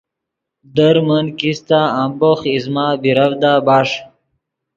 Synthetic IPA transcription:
d̪əɾmənkist̪aamboχizmaːbiɾəvd̪aːbaːʂ

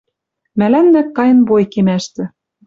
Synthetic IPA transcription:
mælænːækːɑjɤ̆nbojkemæʃt̪ɘ̆

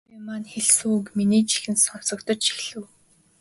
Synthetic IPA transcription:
manxeɮsuukminiːt͡ɕi̥xɘ̆nsɔn̥sɞ̆kt̪ɞ̆t͡ɕʃi̥xɮɘ̆w

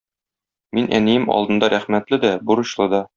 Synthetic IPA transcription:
minʔæ̰nijɘmɒ̰lˠd̪ɤ̆nd̪ɑɾæχmæt̪lɘd̪æbuɾɤ̆ɕlˠɤd̪ɑ

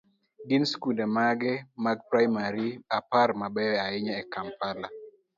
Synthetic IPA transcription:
ɡinskudɛmaɡɛmaɡ̚pɾajmaɾiaparmabɛwɛaɪɲaɛkampala

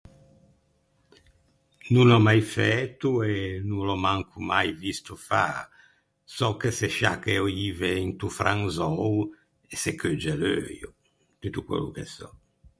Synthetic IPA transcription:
nunɔmajfɛt̪ːuenulɔmaŋkʰumajvist̪ufa̰ | sɔkːeseʃa̰kɛɔiveint̪ufɾaŋzɔw | esekʰød͡ʒelø̰jṵ | t̪yt̪ukwɛ̰lṵkesɔ

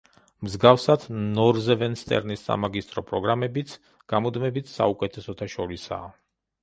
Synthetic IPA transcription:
mzɡafsad̪nɔɾzɛvɛnst̪ʼɛ̰ɾnisːa̰maɡist̪ʼɾɔpʼɾɔɡɾamɛbit̪sʰ | ɡ̥amɔd̪mɛbit̪ʰsa̰ukʼɛt̪ʰɛsɔt̪ʰaʃɔɾisa̰ː

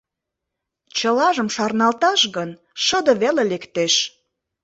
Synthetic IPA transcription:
t͡ɕəlɑʒəmʃɑrnɑlt̪ɑʃɣən | ʃəd̪əβelelekt̪eʃ

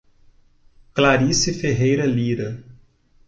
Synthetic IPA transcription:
klaɾisifeɦejɾɐliɾɐ

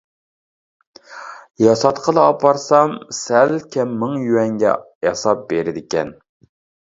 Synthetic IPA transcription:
jɑsɑt̪qʰəlˠɨːpʰɑɾsɑmsælkʲʰɛmːɨŋjywɛŋɡʲɛ̰ | jɑsɑp̚beɾɪd̪ɪkʲɛ̰n

